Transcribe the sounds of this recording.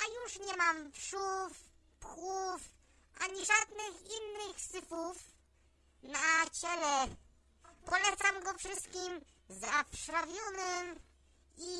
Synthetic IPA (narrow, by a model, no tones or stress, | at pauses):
ajuʂɲɛmampʂuf | pxuf | ʔaɲiʐad̪nɘxinːɘxsɘpuf | nat͡ɕɛlɛ | pɔlɛt̪samɡɔfʂɘst̪̚kʲim | zapʂɾavʲjɔnɪm | i